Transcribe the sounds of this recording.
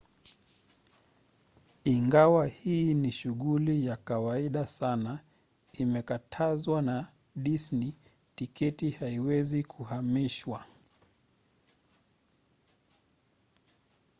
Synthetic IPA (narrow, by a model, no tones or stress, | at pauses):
iŋɡawahiːniʃuɣulijakawaiɗasana | imɛkatʰazwana | ɗisni | tikʰɛtihaiwɛzikʰuhamiʃwa